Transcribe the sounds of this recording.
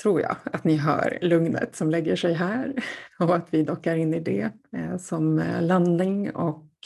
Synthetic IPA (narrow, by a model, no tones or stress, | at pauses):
t̪ʰɾuːɾjɑ̰ːat̪nɪɦɑ̰ːɾlɵŋnə̰t̪sɔmlɛɡːəʂɛjɦæːɾɔat̪vɪd̪ɔkːaɾɪnːɪd̪ɛsɔmland̪nɪŋɔ̰k